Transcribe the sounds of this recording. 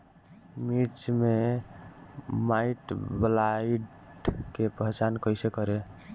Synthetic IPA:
mit͡ʃme | maiʈblaiɖ | kepəɦt͡ʃankəjsekəɾe

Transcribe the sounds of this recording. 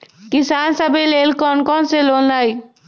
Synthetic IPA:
kisansəbʱelelkɔnkɔnselolnaj

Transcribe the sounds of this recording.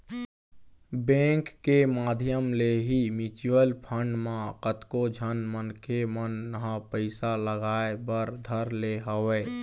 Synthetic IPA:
bẽŋkːemaːd̪ʱjəmleɦimit͡ʃwəlpʰəɳɖmãkət̪kod͡ʒʱənmənkemənːəɦãpəɪsaləɡaːebəɾd̪ʱəɾleɦəweː

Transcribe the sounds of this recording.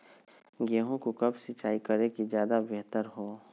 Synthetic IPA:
ɡeːɦõkokɐbsɪt͡ʃaːikəɾekizjaːd̪abɛɦt̪əɾɦoː

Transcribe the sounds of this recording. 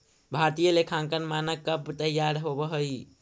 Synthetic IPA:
bʱaɾt̪ijəlekʰãŋkənmanəkːəbt̪əjaɾɦobəɦəj

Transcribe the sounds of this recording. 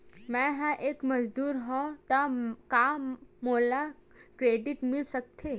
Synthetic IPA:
mɛ̃ɦɛ̃ʔeːkməd͡ʒd̪uːɾɦɔ̃t̪akamoːla | kɾeːɖɪʈmɪlsək̚t̪ʰe

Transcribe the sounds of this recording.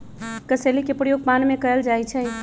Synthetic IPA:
kəselikepɾjoɡ̚panmekəəld͡ʒajt͡ʃʰɛ̃

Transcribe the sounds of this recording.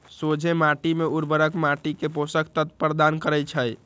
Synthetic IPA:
sod͡ʒʱemaʈimeuɾbəɾəkmaʈikeposəkʰt̪ət̪pəɾd̪ankəɾət͡ʃʰəj

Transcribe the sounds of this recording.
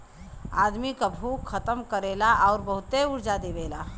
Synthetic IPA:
a̰ːd̪mikabʱuːkʰːət̪əmkəɾeːlaʔɔːɾbəɦʊt̪eʊɾd͡ʒad̪eːʋeːlaː

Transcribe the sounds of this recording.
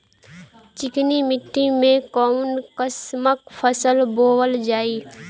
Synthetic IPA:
t͡ʃɪknimɪʈʰːimẽkɔːnkəsməkfʰəsəlboːwəld͡ʒaːiː

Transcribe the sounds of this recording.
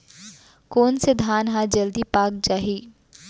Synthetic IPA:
koːnsed̪ʱaːnɦaːd͡ʒəld̪iːpaːk̚d͡ʒaːɦiː

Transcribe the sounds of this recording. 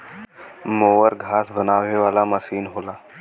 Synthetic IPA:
moːəɾɡʱaːsbənaːʋeʋaːlaməsiːnɦoːlaː

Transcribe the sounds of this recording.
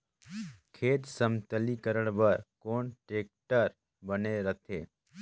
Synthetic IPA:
kʰeːt̪səmt̪əlikəɾəɳ̃bəɾkoːɳʈɾeːk̚ʈəɾ | bəneɾət̪ʰeː

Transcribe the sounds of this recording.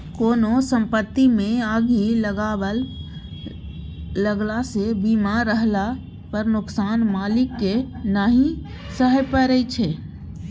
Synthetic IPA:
koːnosə̃mpət̪ːimẽaːɡiləɡaə | ləɡlasebimaɾːəɦla | pəɾnʊksaːnmaːlɪkːenaːɦĩ | səɦəpəɾəit͡ʃʰɛ

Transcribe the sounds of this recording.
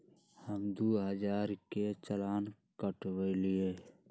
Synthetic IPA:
həmd̪uːɦəd͡ʒaːɾket͡ʃəlaːn | kəʈwəilie

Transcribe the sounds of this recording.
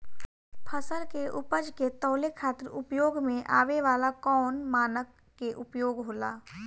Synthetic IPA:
pʰəsəlkeʔʊpəd͡ʒket̪ɔːlekʰaːt̪əɾʊpjoːɡmẽʔa̰ːʋeʋaːlakɔːnmaːnəkː | eʔʊpjoːɡɦoːla̰ː

